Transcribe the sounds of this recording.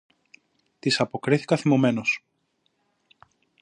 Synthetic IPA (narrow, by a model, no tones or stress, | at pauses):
t̪isɐpo̞kɾiθi̥kɐθimome̞no̞s